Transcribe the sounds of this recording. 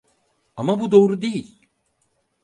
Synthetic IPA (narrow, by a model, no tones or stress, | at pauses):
amabud̪o̞ːɾud̪ejilʲ